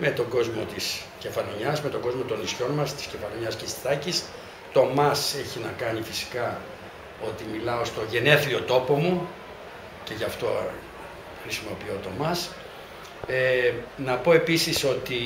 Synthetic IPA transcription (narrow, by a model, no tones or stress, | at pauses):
me̞t̪o̞ɡo̞zmo̞t̪is | ce̞fɐlo̞ɲɐsme̞t̪o̞ɡo̞zmo̞t̪o̞nisço̞nmɐst̪i̥sce̞fɐlo̞ɲɐscet̪ist̪ɐcis | t̪o̞mɐse̞çinɐkɐnifisi̥kɐ | o̞t̪imilɐo̞st̪o̞ʝe̞ne̞θio̞t̪o̞po̞mu | ce̞ʝɐft̪o̞ | xɾisimo̞piot̪o̞mɐs | enɐpo̞e̞pisiso̞t̪i